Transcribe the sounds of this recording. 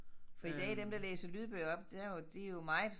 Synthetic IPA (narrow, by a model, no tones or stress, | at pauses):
fɒ̽id̥ɛ̰ːd̥emd̥eɐlḛːsəlyːð̞ˠb̥ø̰ːʊɒ̽b̥d̥æjod̥ejo̝mɑ̈ɪð̩ˠ